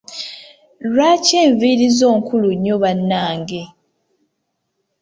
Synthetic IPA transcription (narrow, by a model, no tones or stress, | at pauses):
lwaceːɱviɾizo̞ːŋkʰuluɲːoβanːaːŋɡe